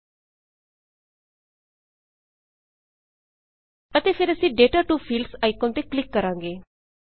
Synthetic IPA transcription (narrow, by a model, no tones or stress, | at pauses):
ət̪efʰeɾəsĩːɖeːʈaːʈuːfʰiːlɖsaːɪkõːnt̪eklɪkːəɾãːŋɡeː